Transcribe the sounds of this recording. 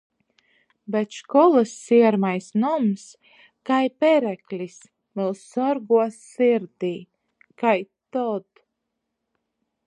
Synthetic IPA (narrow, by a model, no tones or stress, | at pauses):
bɛt̪ʃkɔlˠasːiɛɾmajsnɔms | kajpɛɾæklʲis | vɛlˠsɔɾɡuɔsiɾd̪iː | kajt̪ɔd̪̥